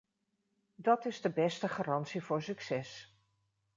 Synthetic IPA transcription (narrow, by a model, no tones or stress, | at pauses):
dɑtɪzdəbɛstəχaːrɑntsivʊːɹsyksɛs